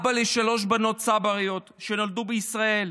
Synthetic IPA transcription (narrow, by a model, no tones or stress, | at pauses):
baleʃalo̞ʃ̬bano̞tt͡sabaʁijo̞t̪ʃenold̪ubeisʁae̞l